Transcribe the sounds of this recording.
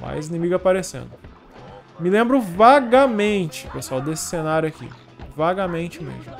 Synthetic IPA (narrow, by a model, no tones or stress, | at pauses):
ma̰jzinĩmiɡɐpaɾesḛ̃nd̪ʊ | mɪlẽmbɾʊvaɡamẽnt͡ʃɪ̥peswawd̪esɪ̥senaɾjʊakḭ | vaɡamẽnt͡ʃɪmḛzmʊ